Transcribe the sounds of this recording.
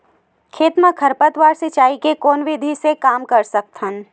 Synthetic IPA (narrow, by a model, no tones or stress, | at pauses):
kʰeːt̪mãkʰɐɾpət̪waːɾset͡ʃaːikekoːnʋɪd̪ʱisekaːmkɐɾsɐk̚t̪ən